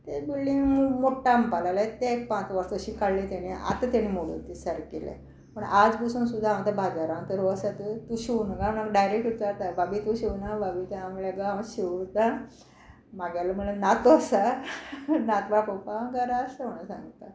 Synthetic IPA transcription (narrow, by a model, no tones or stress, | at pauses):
t̪ebilɖiŋmumoʈːampalalat̪ẽek̚pãt͡sʋəɾsəɕiːkaɽlit̪añiʔa̰t̪ət̪añimoɭṵt̪isəɾkḛlḛ | pəɳad͡zbəsuːnsud̪ʱːaãmt̪əbʱad͡zaɾãŋt̪əɾoəsat̪ət̪uɕiʋnɡamənakɖajɾek̚ʈʋut͡saɾt̪ababit̪uɕiʋnababit̪eãmuɭeɡawɕiʋt̪a | maɡjalamuɭenat̪əsa | nat̪bakopaɡəɾaəsəoɳasã̰ŋɡt̪a